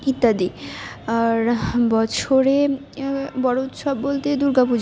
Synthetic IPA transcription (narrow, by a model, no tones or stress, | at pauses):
it̪ːad̪i | aɾbɔt͡ɕʰoɾe | bɔɽout̪ʃɔbːolt̪ed̪uɾɡapud͡ʑ